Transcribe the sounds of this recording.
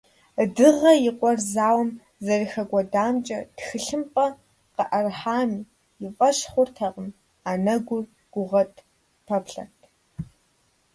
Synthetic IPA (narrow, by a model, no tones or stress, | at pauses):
dɨʁɐjɪqʷʼɔrzaːwm | zɐrixɐɡʷɔdaːmt͡ʃʼɐtxɨɬɨmpʼɐ | qəʔɐrħaːmiː | jɪfʼɐɕχʷʊrtʰɐqʼəm | anɐɡʷʊr | ɡ̥ʷʊʁɐtʼʰ | pʰɐpɬɐ̰rtʰ